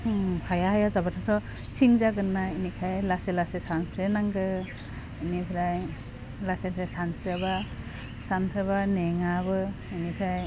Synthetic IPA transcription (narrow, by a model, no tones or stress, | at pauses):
pʰajaɦajazabatʰatʰɔ | siŋzaɡɯnːainikʰajlaselasesanpʰɾenaŋɡɯ | inipʰɾaj | lasensʰesansɯba | sanpʰɯβaneŋabɯinipʰɾaj